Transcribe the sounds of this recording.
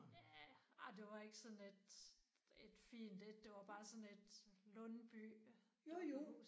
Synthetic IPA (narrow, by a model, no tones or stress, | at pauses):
jæɑd̥e̝ʋɑ̈e̝ɡ̥əsɔ̽ne̝d̥ | e̝d̥fḭːnd̥ed̥ːe̝ʋɑ̈b̥ɑ̈ːsɔ̽ne̝d̥lɔnb̥y̰ | jojo